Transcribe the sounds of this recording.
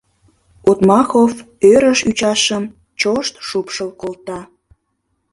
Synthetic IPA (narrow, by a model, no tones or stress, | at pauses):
ot̪mɑxof | øɾəʃyt͡ɕɑʃəm | t͡ɕoʃt̪ʃupʃəlkolt̪ɑ